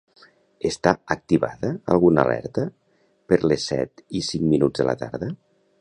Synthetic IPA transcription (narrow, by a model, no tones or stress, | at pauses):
əst̪aək̚t̪iβa̰ðəəlˠɣunə̰lʔɛ̰ɾt̪ə | pəɾlesːɛ̰t̪isiŋminud͡zðələ̰t̪a̰ɾðə